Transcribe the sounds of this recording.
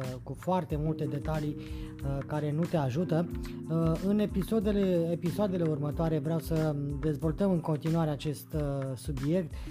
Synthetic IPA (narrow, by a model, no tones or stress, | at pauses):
kufoart̪e̞mult̪e̞d̪e̞t̪alijkaɾe̞nut̪e̞aʒut̪ə | ɨnepisod̪eleepisoad̪e̞le̞urmət̪oaɾe̞vɾeawsəd̪e̞zvo̞lt̪əmɨŋko̞nt̪inuaɾe̞at͡ʃe̞st̪subje̞kt̪